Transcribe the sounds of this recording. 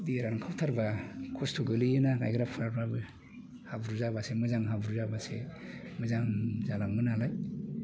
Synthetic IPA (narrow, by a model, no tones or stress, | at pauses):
diɾankʰawtʰaɾbakʰɔstʰoɡɯlɯjɯnana̰jɡɯɾapʰɾaɾbabɯ | habuɾuzabasemɯzaŋɦabuɾuzabasemɯzaŋzalaŋmɯnalaj